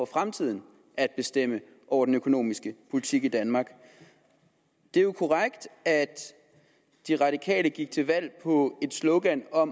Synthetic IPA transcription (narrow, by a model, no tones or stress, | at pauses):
ɒfʁamt͡sʰið̞̰ˠn̩ | æd̥̚b̥e̝sd̥em̰ə | ʔɒʊɐdenøkʰo̝no̝̰ːmisɡ̥əpʰo̝lit͡sʰiɡ̥id̥ænmɑ̈ːɡ̥ | d̥e̝jokʰoʁaɡ̥d̥æd̥ː | iʁɑ̈ɾ̥ikʰɛ̰ːləɡ̥iɡ̥̚t͡sʰe̝lʋæl̰pʰɒ̽e̝d̥slɔʊɡ̥ænɒ̽m